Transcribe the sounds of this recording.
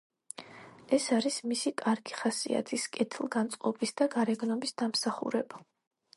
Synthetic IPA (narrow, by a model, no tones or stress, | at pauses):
ɛsaɾismisikʼaɾɡiχasḭa̰t̪ʰiskʼɛt̪ʰlˠɡant̪sʼqʼɔbisd̪aɡaɾɛɡnɔbisd̪̥amsaχṵɾɛba